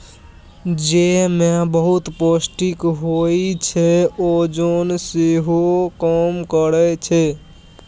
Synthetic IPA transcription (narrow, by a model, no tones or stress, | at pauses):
d͡ʒemebəɦut̪posʈikɦoit͡ʃʰɛod͡ʒonseɦokəmkəɾɛt͡ʃʰɛ